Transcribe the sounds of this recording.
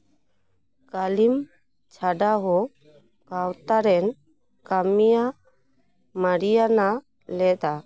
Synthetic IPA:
kalim | t͡ʃʰaɖaɦɔ | kawt̪aɾɛn | kamija | maɽijana | lɛd̪a

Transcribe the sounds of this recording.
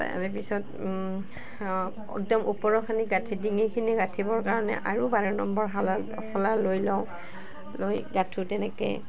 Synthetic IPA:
ɛpisɔt | ɔ̰k̚dɔmʔupɔɹɔkʰaniɡatʰidiŋikʰiniɡatʰibɔɹkaɹɔnɛ̰ʔaɹubaɹɛnɔmbɔɹɦala | xɔlalojlɔʊ̃ | lojɡatʰutɛnɛkɛ̰

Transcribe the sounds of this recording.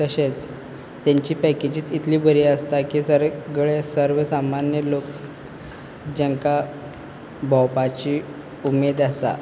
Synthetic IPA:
t̪əɕet͡s | t̪jaɲt͡ɕiːpɛked͡ʑiːt͡sit̪ʰliːbəɾiːəst̪akiːsəɾɡɭesəɾʋəsamanjəlok | d͡ʑəŋka | bʱɔ̃wpat͡ɕiː | umed̪asa̰

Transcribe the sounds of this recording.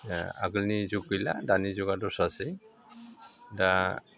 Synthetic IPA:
a̰ɡulnizuɡ̚kɔjla̰danizɔɡadɔsasɛ | da

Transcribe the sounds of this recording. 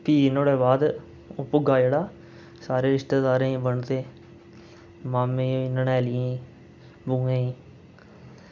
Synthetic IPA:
piːnoːɽɛːbaːd̪ | ʊpʊɡaːd͡ʒeːɽaː | saːɾeːɾɪʃt̪eːd̪aːɾẽːĩbəɳt̪eː | maːmẽːnəɳɛːlɪjãːi | bũːẽːĩː

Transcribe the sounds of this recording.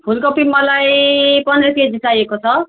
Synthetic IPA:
pʰulkopimːʌlajpʌnɾʌked͡zisajekot͡sʰʌ

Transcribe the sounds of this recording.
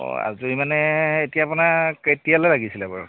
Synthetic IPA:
ɔ̰a̰zuimanɛetijaːpunaketijalɛɹaɡisilɛba̰ɹɔ̰

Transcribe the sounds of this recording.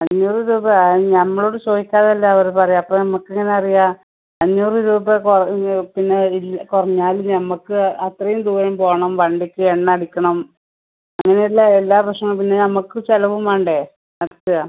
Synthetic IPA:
ɐɲːoːriðubɐɲɐmːɐɭoːɽɨt͡ɕoːhikʲːaːðɐlːɐɐʋɐɾpɐrɐjumɐpːoːnɐmːɐkːeŋːɐneɐrija | ɐɲːoːriðubɐkurɐpinːe̞ilːkurɐɲːaːlunɐmːɐkːɨɐt̪rɐjumd̪uːɾɐmpo̞ːɐɳɐmʋɐɳɖikʲːɨeɳːɐɐɽikʲːɐɳɐm | ɐŋːɐneilːaelːaːprɐʂɐŋːɐɭpinːe̞nɐmːɐkːɨt͡ɕelɐʋumaːɳɖe | nɐɾɐt̪ːɨɣa

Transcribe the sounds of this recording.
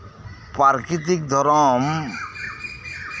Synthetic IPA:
paɾkit̪ikd̪ʱɔɾɔm

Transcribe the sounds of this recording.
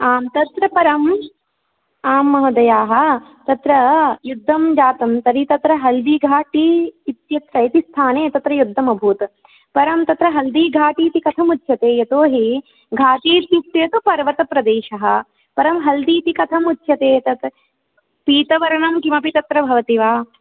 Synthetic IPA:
aːmt̪ɐt̪ɾɐpɐɾɐm | aːmːɐɦɐd̪ɐjaːɦɐt̪ɐt̪ɾɐjud̪ʱːɐmd͡ʒaːt̪ɐmt̪ɐɾit̪ɐt̪ɾɐɦɐld̪iːɡʱaːʈiːt̪jɐt̪ɾɐit̪ist̪ʰaːneːt̪ɐt̪ɾɐjud̪ʱːɐmɐbʱuːt̪ɐ | pɐɾɐmt̪ɐt̪ɾɐɦɐld̪iːɡʱaːʈiːt̪ikɐt̪ʰɐmut̪jɐt̪eːjɐt̪oːɦi | ɡʱaːt̪iːt̪jit̪jeːt̪upɐɾʋɐt̪ɐpɾɐd̪eːʃɐɦɐ̆ | pɐɾɐmɦɐld̪iːt̪ikɐt̪ʰɐmut̪ʰːjɐt̪eːt̪ɐt̪ | piːt̪ɐʋɐɾɐɳɐmkimɐpit̪ɐt̪ɾɐbʱɐʋɐt̪iʋaː

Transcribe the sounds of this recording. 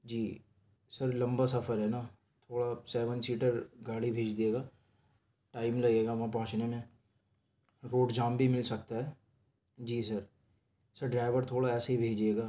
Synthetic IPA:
d͡ʒiː | sɐɾlɐ̃mbasɐfʰəɾɦɛnaː | t̪ʰoːɽasɛːʋənsiːʈəɾɡaːɽibʱeːd͡ʒd̪ieːɡaː | ʈaːɪmlɐɡeːɡaʋɐɦãp̬ɐɦʊ̃t͡ʃnemẽ | ɾoːɖd͡ʒaːmbʱimɪlsɐkt̪aɦɛː | d͡ʒiːsɐɾ | sɐɾɖɾaːɪʋəɾt̪ʰoːɽaɛːsaɦibʱeːd͡ʒieːɡaː

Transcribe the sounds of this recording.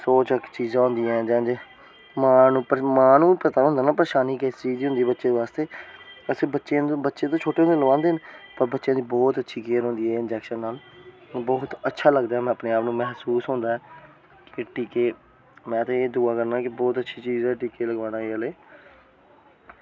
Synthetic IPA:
soːt͡ʃkt͡ʃiːzãːɦõʊ̃nd̪ijɛ̃ːd͡ʒãːd͡ʒeː | maːnũːpmãːnũːpət̪aːɦʊ̃nd̪aːnaːpɾeːʃaːniːkest͡ʃiːziːɦʊnd̪iːbətːʃeːd̪eːʋaːst̪eːəseːbətːʃẽbətːʃẽːt̪õːt͡ʃʰoːʈeːõnd̪eːləʋãːnd̪eːɦnpəɾbətːʃejãːd̪iːbɔːt̪ətːʃʰiːkeːəɾɦõːnd̪iːɛːɪnd͡ʒɛːkʃənːaːlbɔːt̪ətːʃʰaːləɡd̪aːɦɛːmɛ̃ːəpneːaːpnũːmɛɦsuːsɦõːnd̪aːɛː | kɪʈiːkeː | mɛ̃ːt̪ẽːeːd̪ʊaːkəɾnaːkɪbɔːt̪ətːʃʰiːt͡ʃiːzɛːʈiːkeːləɡʋãːnaːeːəleː

